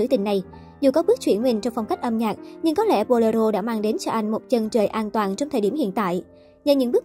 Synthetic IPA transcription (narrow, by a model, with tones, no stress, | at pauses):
ɨ̰˧˥˦t̪ï˨˩ŋ̟ːa˨˩j | zu˨˩kɔ˨˦ɓɨ˦˥ək̚t͡ɕwi˧˩ənwï˨˩ŋ̟t͡ɕɔ˧wŋ͡mfa˧wŋ͡mka˦˥k̟̚ʔə˧mɲaː˨˩k̚ɲɨ˧ŋkɔ˨˦lɛ̰˧˩po˧ləː˧zo˧ɗa̰ː˧˥maː˧ŋɗe˨˦nt͡ɕɔ˧ʔa˧jŋ̟mo˨˩t̚t͡ɕə˨˩nt͡ɕəː˧˩jʔaː˧nt̪waː˨˩nt͡ɕɔ˧ŋ͡mt̪ʰəː˨˩ɗi˧˩mhḭ˧˨ənt̪a̰ː˧˨j | ɲə˧˩ɲɨ̰˧˥ŋɓɨ˦˥ək